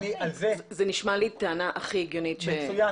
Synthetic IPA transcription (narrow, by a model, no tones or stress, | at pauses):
nialzezeniʃmalitaanaʔaχieɡjonitʃeuja